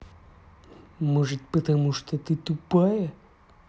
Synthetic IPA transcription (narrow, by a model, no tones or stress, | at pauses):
mɔʐɨt̪̚ʲpət̪ɐmuʂt̪ot̪ɨt̪upajɛ